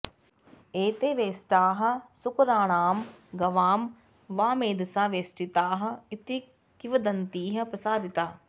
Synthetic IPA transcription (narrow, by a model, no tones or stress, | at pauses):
eːt̪eːʋeːsʈaːɦɐ̆sʊkɐɾaːɳaːmɡɐʋaːm | ʋaːmeːd̪ɐsaːʋeːsʈit̪aːɦɐ̆it̪i | kiʋɐd̪ɐnt̪iːɦɐ̆pɾɐsaːd̪it̪aː